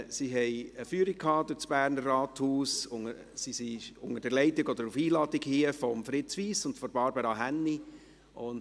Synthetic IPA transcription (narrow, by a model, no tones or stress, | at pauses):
siɦɛjəfyːəɾik̚kʰːɑːd̪ʊt͡sb̥æːɾnərːɑːt̪huːsʊŋə | sisiʊŋəd̥əɾlɛɪtɪɡɔd̥̪əɾufiːlɑːdikhiəfɔmfɾɪt͡sʋiːsʊntfɔɾb̥ɑɾbəɾɑɦænːi | ʔʊnd